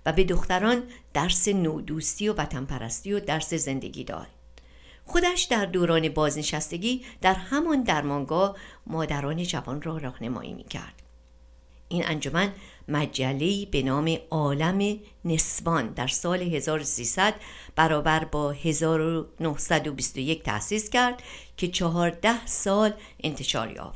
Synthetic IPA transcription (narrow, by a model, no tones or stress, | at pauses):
væbe̞d̪oxt̪æɾɒːnd̪̥æɾse̞noːd̪uːst̪iːo̞væt̪ʰæmpʰæɾæ̰st̪iːod̪æɾse̞ze̞nd̪e̞̰ɡʲḭːd̪ɒ̰ːd̪̥̚ | xo̞d̪æʃd̪æɾd̪oːɾɒːne̞bɒːzne̞ʃæst̪e̞ɟiːd̪̥æɾhæmɒnd̪æɾmɒŋɡɒːhmɒːd̪æɾɒːne̞d͡ʒævɒnrɒːɾɒːhne̞mɒ̰ːʔḭːmḭːcʰæ̰ɾd̪̥ | ʔinʔæ̰nd͡ʒo̞mænmæd͡ʒælːe̞iːbe̞nɒːme̞ɒːlæme̞ | ne̞svɒnd̪æɾsɒːle̞ɦe̞zɒːɾosiːsæd̪b̥æɾɒːbæɾbɒːhe̞zɒːɾonohsæd̪obist̪o̞je̞cʰt̪ʰæ̰siːscæɾd̪̥cʰe̞t͡ʃʰɒɦɒːɾd̪æhsɒːl | ʔe̞̰nt̪ʰe̞ʃɒ̰ːɾjɒ̰ːft̪